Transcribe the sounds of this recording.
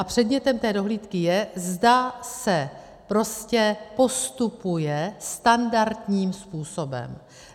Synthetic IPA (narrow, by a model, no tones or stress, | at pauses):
ʔapr̝̥ɛd̪mɲɛt̪ɛmt̪ɛːdo̞ɦliːt̪kɪjɛzdasɛ | pɾo̞scɛpo̞st̪upujɛst̪andaɾt̪ɲiːmspuːso̞bɛ̰m